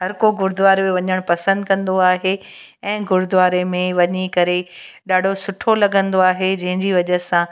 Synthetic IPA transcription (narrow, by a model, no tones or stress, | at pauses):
ɦɐɾkoɡʊɾd̪ʋaːɾmẽʋɐɲəɽ̃pɐsə̃nd̪̚kɐ̃nd̪oaːɦe | ɛ̃ːɡʊɾʊd̪ʋaːɾemẽʋɐɲikɐɾe | ɗaːɖʱosʊʈʰolɐɠə̃nd̪oaːɦed͡ʑɐ̃ɦɪ̃ɲd͡ʑiːʋɐʄəsã